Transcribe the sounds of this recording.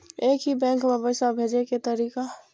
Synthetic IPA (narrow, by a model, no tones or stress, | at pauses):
eːkɦibɛ̃ːŋkbʱəbəsabʱed͡ʒeket̪əɾiːka